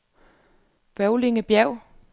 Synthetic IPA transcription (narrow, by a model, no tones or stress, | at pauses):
ʋæʊleŋəb̥jæʊ̰